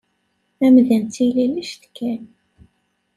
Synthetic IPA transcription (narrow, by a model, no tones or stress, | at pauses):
æmðænt̪ːililiʃt̪kːæn